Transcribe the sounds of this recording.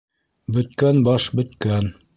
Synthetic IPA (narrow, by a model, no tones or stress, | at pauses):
bɵ̆t̪̚kænbɑʃbɵ̆t̪kæn